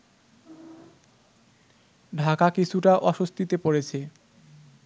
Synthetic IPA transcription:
ɖʱakakit͡ɕʰuʈaʔɔʃost̪ʰit̪epoɾet͡ɕʰe

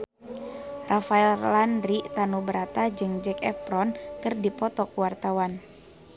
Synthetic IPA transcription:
rʔafaɛllandɾit̪anubəɾat̪ad͡ʒɨŋd͡ʒɛkɛfpɾɔnkɨrdipɔt̪ɔkuwart̪awan

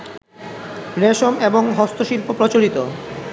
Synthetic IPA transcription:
ɾeʃomeboŋɦɔst̪ʰoʃilpopɾot͡ɕoɾit̪o

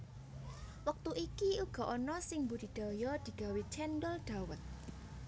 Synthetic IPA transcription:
wək̚t̪uʔikiuɡ̥ɔ̤ʔɔnɔsɪŋmbud̪̥i̤d̪̥a̤jɔd̪̥i̤ɡ̥a̤wit͡ʃɛndəlɖ̪̥awət̪̚

